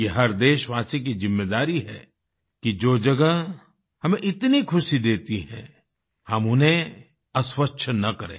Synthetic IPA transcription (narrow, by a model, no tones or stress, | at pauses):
jeɦɐɾd̪eːʃʋaːsik̬izɪmːeːd̪aːɾiɦɛ̰ | kid͡ʒoːd͡ʒɐɡəɦ | hɐmẽʔɪt̪nikʰʊʃid̪eːt̪iɦɛ̰̃ | hɐmʊnɦẽ | ɐswətːʃʰnɐkɐɾḛ̃ː